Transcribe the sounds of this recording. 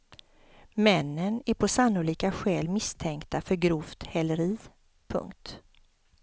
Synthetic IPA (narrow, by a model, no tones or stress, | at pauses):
mɛnːənæɾpʰɔsanːʊliːkaɧɛːlmɪst̪ʰɛŋkt̪afœɾɡɾuːft̪hɛləɾiː | pʰɵ̰ŋkt̪